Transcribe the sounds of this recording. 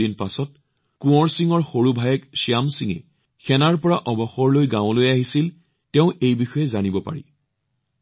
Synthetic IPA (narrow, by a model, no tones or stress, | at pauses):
inpasɔt̚ | kũɔɹsiŋɔɹxoɹubʱajɛksiamsiŋɛ̰ | xɛnaɹpɔɹaʔɔbɔxɔɹlojɡãʊ̃lojaɦisil | tɛʊ̃ʔejbixɔjɛzanibɔpa̰ɹḭ